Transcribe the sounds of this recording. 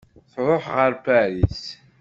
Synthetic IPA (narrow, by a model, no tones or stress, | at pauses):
θɾʊħʁəɾpæɾis